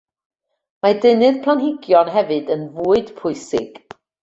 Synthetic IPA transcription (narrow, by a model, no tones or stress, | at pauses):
madɪnɨðpʰlˠanɦɪɡjɔnɦɛvɨdənvuːɨd̥pʰʊɨsɪ̰ɡ̥